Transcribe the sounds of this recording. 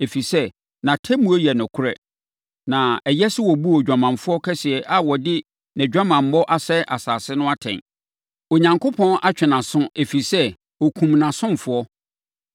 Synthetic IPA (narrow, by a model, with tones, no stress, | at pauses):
e˨fi˨sɛ˦ | nã˨tʰɛ˦mũ˦o˦jɛ˨nʊ̃˨kʰʊ˦ɾɛ̰˦ | nã˨ɛ˨jɛ˦sɪ˦wɔ˨bu˦ɔ˨d͡ʑᶣa˨mã˨nfʊ˦ɔ˦kʰɛ˦sɪ˨ɛ˨ʔa˦wɔ˨dɪ˦ | nɛ̃˨d͡ʑᶣa˦mã˨m̩˨˦bɔ˦ʔa˦sɛ˦ʔa˨saː˨sɪ˦nʊ̃˦a˦tʰɛ̰̃˨n | o˨ɲã˨ŋkʰo˦pʰɔ̃˦nʔa˦t͡ɕᶣɪ˨nã˨sʊ̃˦e˨fi˨sɛ˦ | wɔ˨kʰũ˨mnã˨sʊ̃˦m˨fʊ˦ɔ˦